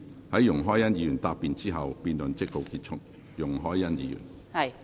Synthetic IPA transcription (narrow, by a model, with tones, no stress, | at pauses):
hɐ˨˦jːʊ˨˩ŋɦɔː˥jɐ˥njiː˨˧jyː˨˩nt̪aː˧pːiː˨˧nt͡siː˥ɦɐ˨wpiː˨˧nlɵ˨˩nt͡sɪ˥k̚lo˨˧˩wki˧t̚t͡ʃʰʊ˥k̚ | jʊ˨˩ŋɦɔː˥jːɐ˥njiː˨˧jy̰˨˩n˧